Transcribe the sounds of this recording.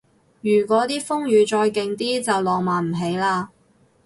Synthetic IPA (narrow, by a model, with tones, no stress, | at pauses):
jyː˨˩k̬ʷɔː˨˥t̪iː˥fʊ˥ŋjyː˨˧t͡ʃɔː˧jkɪ˨ŋt̪iː˥t͡sɐ˨wlɔː˨˩ŋmaː˨˩nm̩˨˩ɦe˨˥jlaː˧